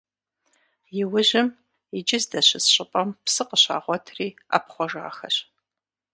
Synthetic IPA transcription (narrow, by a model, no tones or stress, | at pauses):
jɪwʊʑɪm | id͡ʒɪzdɐɕɪsɕʼɪpʼɐmpsɨqəɕa̰ːʁʷɔtʰriːa̰ːpχʷɔʒa̰ːxɐ̰ɕ